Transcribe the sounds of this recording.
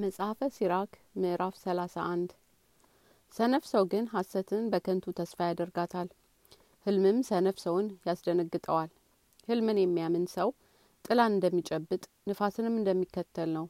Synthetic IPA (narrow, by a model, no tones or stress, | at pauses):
məsʼhafəsiɾak | mɨʔɨɾafsəlasaʔand̪ | sənəfsəwɡɨnɦasət̪ʰɨnbəkʰənt̪ʰut̪ʰəsfajad̪əɾɡat̪ʰal | hɨlmɨmsənəfsəwnjasd̪ənəɡːɨt̪ʼəwal | hɨlmɨnjɛmːijamɨnsəw | t̪ʼɨlanɨnd̪əmːit͡ʃʼɛbːɨt̪ʼ | nɨfasɨnɨmːɨnd̪əmːikːət̪ʰːəlnəw